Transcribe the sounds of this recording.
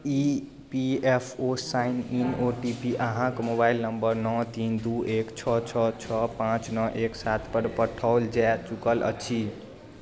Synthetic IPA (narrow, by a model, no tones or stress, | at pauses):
i | piepʰosaininoʈipiʔəɦãkmobailnəmbəɾnɔt̪ind̪uʔekt͡ʃʰɔt͡ʃʰɔt͡ʃʰɔpãt͡ʃnɔʔeksat̪ʰpəɾpəʈʰaʊld͡ʒat͡ʃukələ̰t͡ʃʰi